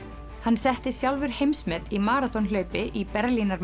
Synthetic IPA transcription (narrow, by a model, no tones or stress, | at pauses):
hanːsɛht̪ɪsjawlvɪɾ̥hejmsmɛt̪imaːɾat̪ɔnlœːɥpɪʔipɛɾlinaɾm